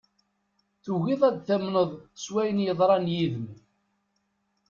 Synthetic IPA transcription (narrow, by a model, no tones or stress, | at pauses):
θuɣiðˤæd̪θæmnəðˤswæjənjəðˤɾˤɑnjiðəm